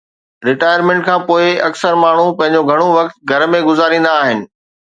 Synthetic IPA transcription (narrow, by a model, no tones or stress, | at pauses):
ɾɪʈaːjəɾmẽɳʈ̚kʰãːpoːɪɐksəɾmaːɳ̤upɐ̃ɦɪ̃ɲd͡ʑoɡʱɐɽ̃oʋɐkt̪̚ɡʱɐɾmẽɡʊzaːɾĩːnd̪aːɦɪnɪ̆